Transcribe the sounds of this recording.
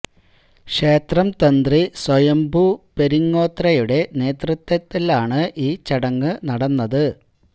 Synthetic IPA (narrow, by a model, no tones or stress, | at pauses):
kʂeːt̪rɐmt̪ɐnd̪riswɐjɐmbʱupe̞ɾiŋːo̞ːt̪rɐjuɽe̞ne̞ːt̪rɨt̪ːɐt̪ːilaːɳɨʔiːt͡ɕɐɽɐŋːɨnɐɽɐnːɐðɨ